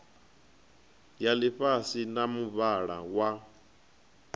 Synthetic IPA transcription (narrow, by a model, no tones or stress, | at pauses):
jaliɸasinamuβaɺa̰wa